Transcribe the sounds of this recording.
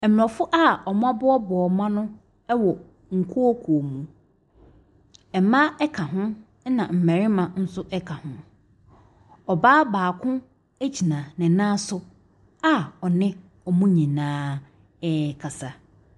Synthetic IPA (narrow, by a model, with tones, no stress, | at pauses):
ɛ˨m˨ɔ̃˨fʊ˦ʔa˦˨ɔ˨m˦ã˦bʊ˦ɔ˦bɔː˨mã˦nʊ̃˦ | ɛ˦wɔ˨ | ŋ̩˨kʰu˦ɔ˦kʰu˨o˨mũ˨ | ɛ˨mã˦ɛ˦kʰã˨ɦʊ̃˦ | nã˨m̩˨mɛ˨ɾɪ˦mã˨n̩˦sʊ˦ʔɛ˦kʰã˨hʊ̃˦ | ɔ˨baː˦baː˨kʰʊ̃˦ | æ˦d͡ʑi˨nã˨nɪ̃˨nãː˦sʊ˨ | a˦ɔ˨nɪ̃˦ | ɔ˨mũ˦ɲĩ˨nãː˦ | ɛ˦kʰa˨sa˨